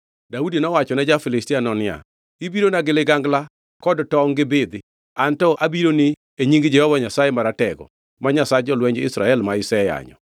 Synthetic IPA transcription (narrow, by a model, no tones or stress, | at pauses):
daudinɔwat͡ʃɔnɛd͡ʒafɪlɪstianɔnɪa̰ | ibiɾonaɡɪlɪɡaŋɡla | kɔdtɔŋɡɪbɪd̪ɪ | antɔʔabiɾonɪ | eɲiŋɡd͡ʒɛhɔwaɲasajemaɾatɛɡɔ̰ | maɲasad͡ʒɔlwɛɲd͡ʒɪ̰sɾaɛlmaɪsɛja̰ɲɔ̰